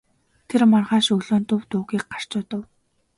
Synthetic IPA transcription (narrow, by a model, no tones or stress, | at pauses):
t̪ʰermɔrʁaːʃɵɣɮoːnt̪ʊwt̪ʊːɣiːk̚ɢar̥t͡ɕʊːt̪ə̆w